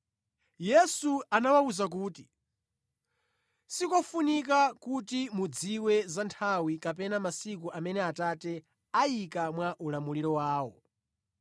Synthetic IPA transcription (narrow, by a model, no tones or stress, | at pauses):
jɛsuanawauzak̬uːti | sikɔfunikakutimud͡ziwɛzantʰawikap̬ɛnamasikuʔamɛnɛatatɛ | ajikamwaʔulamuliɾɔwaːwɔ̰